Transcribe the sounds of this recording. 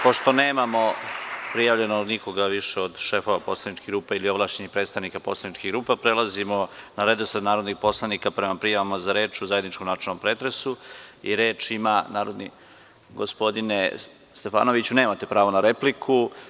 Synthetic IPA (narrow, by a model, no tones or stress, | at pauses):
po̞ʃt̪o̞neːmamo̞pɾijaʋʎe̞nod̪niko̞ɡaʋiʃeod̪ʃe̞fo̞ʋapo̞slˠanit͡ʃkiɡɾuːpailio̞ʋlˠaʃt͡ɕeɲipɾet̪st̪aʋnikapo̞slˠanit͡ʃkiɡɾuːpapɾelazimo̞naɾed̪osɾed̪naːɾo̞d̪nixpo̞slˠanikapɾemapɾijaʋamazaɾe̞ːt͡ʃuzajed̪nit͡ʃkomnaːt͡ʃelnompɾeːt̪ɾe̞suḭɾe̞ːt͡ʃimanaːɾo̞d̪ni | ɡospo̞d̪ine | st̪e̞fa̰ːno̞ʋit͡ɕuneːmat̪e̞pɾaːʋonaɾe̞plikʰu